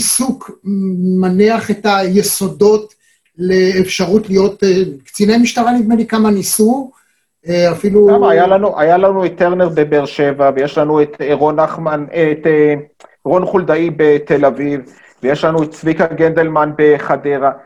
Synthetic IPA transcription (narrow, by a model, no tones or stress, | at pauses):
isuk | maniaχetajeso̞do̞t | leːfʃaʁutlijo̞tekt͡sinejmiʃtaʁalivmelikamanisu | afiluɡamaajalanuʔajalanuet̪ːeʁne̞ʁbebeʁʃevavejeʃlanuet̪eʁonaχmanet | ʁo̞nχuld̪aibe̞t̪e̞laviv | vejeʃlanuett͡svikaɡend̪elmanbeχadeʁa